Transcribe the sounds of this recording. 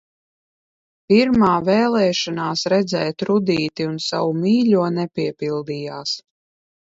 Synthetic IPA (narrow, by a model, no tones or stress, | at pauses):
piɾmaːvɛːlˠɛːʃanaːsɾɛd̪zɛːt̪ɾud̪iːt̪iunsawumiːlʲuɔnɛpʲiɛpilˠd̪iːjaːs